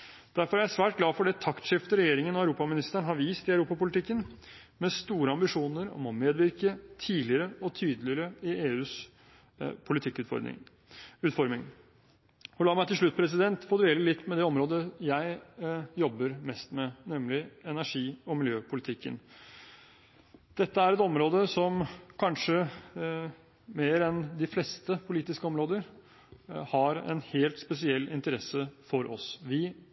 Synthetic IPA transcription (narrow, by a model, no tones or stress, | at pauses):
d̪̥æɾfɔɾæɾjæsʋæːʈ̚ɡlɑːfɔɖɛt̪ʰɑkt̪ʂɪft̪əɾɛjeːɾɪŋənɔæʉɾuːpɑmɪnɪst̪əɳɦɑɾʋiːst̪ɪɑʉɾuːpɑpʊlt̪ɪkːən | mɛst̪uːɾəɑmbɪʂuːnəɾɔ̰mɔmeːd̪ʋɪɾkət̪ʰiːlɪəɾəɔt̪ʰyːd̪əlɪəɾəɪeːʉːs | pʰʊlɪt̪ʰɪkːʉfɔ̰ɾɪ̰ | ʉːt̪fɔɾmɪŋ | ɔlɑːɾmæɪt̪ɪʂɭʉt̪ːpʰɾɛs̬ɪd̪ɛnt̪foːd̪eːləlɪt̪ːmɛd̪ɛɔmɾoːd̪əjæɪjɔbːəɾmɛst̪mɛnɛmlɪɛnæʂiːɔmɪljøːpʰʊlɪt̪ʰɪkːə̰n | d̪̥ɛt̪ːəæɾɛt̪ɔmɾoːd̪əsɔmkʰɑnʂə | meːɾɛnd̪ɪflɛst̪əpʰʊliːt̪ɪskəɔmɾoːd̪əɾ | hɑɾɛ̰nheːlt̪spɛsɪɛlːɪ̰nt̪əɾɛsəfɔɾʔɔ̰sʋɪ